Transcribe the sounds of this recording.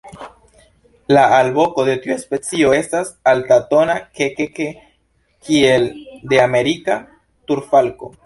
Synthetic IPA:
laːlbo̞ko̞de̞tiuespe̞t͡sio̞e̞stasaltato̞nakekeke | kʰie̞lde̞ame̞ɾika | tuɾfalko̞̰

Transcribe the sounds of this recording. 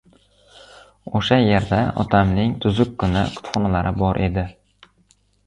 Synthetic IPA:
oʃajeɾd̪aɒ̰t̪ʰamnɪŋt̪ʰʊzʊkʲkʰːʊnɪ̰qʰʊ̥t̪χɒnalaɾʔɪbɒɾʔe̞̰d̪ɪ

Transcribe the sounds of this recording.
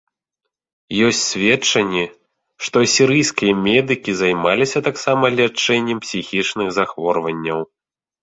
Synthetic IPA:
jɔsʲtʲt͡sʲsʲvʲɛt͡ʂɐnʲːɛ | ʂt̪ɔsʲiɾɨjskʲijɐmʲɛd̪ɨkʲizajmalʲisʲɐt̪aksamɐlʲat͡ʂːɛnʲːɛmpsʲixʲit͡ʂnɨxzaxvɔrvɐnʲːɐw

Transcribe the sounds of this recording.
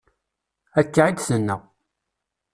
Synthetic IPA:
ækːaʕid̪sənːæ

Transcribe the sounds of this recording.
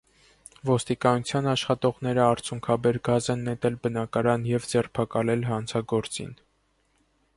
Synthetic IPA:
vɔst̪ikɑnut͡sʰjɑnɑʃχɑt̪ɔʁn̪ɛɾəɑɾt͡sʰjuŋkʰɑbɛɾɡɑzɛnːɛt̪ɛlbənɑkɑɾɑnjɛvd͡zɛrpʰɑkɑlɛlɦɑnt͡sʰɑɡɔɾt͡sḭn

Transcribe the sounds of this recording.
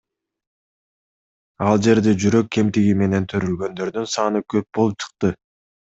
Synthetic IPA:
ɑlˠd͡ʒe̞ɾd̪e̞d͡ʒyɾø̞k̚ːe̞mt̪iɡime̞ne̞nt̪ʰøɾylɡø̞nd̪ø̞ɾd̪ynsɑːnɯkʰø̞p̚bo̞lˠup̚t͡ʃʰɯ̥q̚t̪ɯ

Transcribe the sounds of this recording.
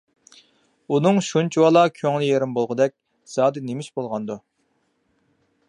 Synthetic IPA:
unɨŋʃunt͡ʃʰiwɑlˠɑkʲʰøŋlɪjeɾɪmbolˠʁʊd̪ɛk̚ʲ | z̥ɑːd̪ɪnemɪʃbolˠʁɑnd̪u

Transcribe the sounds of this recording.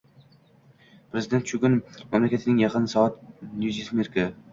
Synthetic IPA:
pʰɾezɪd̪e̞nt̪t͡ʃʰʊɡʲʊnmamlakʰʲat̪ʰɪnɪŋjɑqʰɨnsɒɑt̪njuzismeɾka

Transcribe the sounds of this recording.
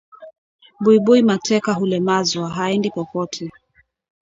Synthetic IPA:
ɓuiɓuimatʰɛkaɦulɛmazwaɦaɛndipɔpɔtʰɛ

